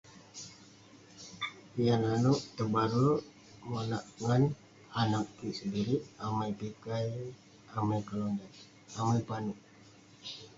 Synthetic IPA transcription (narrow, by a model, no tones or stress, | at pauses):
ijananuʔt̪əbaɾu | mənaʔŋan | anaʔkiʔsədiɾiʔamajpikaj | amajkəlɔnda | amajpaniʔ